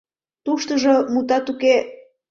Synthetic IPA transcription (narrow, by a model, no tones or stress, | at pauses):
t̪uʃt̪əʒomut̪ɑt̪uke